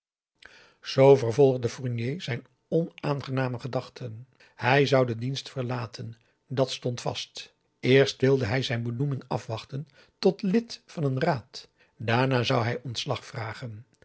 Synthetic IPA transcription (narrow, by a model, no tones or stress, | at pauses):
z̥owvərvɔlˠχdəfuɹnjejzɛjn | ɔnaːnχənaːməχədɑχtʰən | hɛjzʌwdədinstfəɹlaːtʰən | dɑtstɔntfɑ̰st | ɪːɹstʋɪlˠdəɦɛjzɛjnbənumɪŋɑ̰fʋɑχtən | tɔtlɪtfɑnənraːt | daːɹnaːzʌwɦɛjʔɔntslɑχfraːχən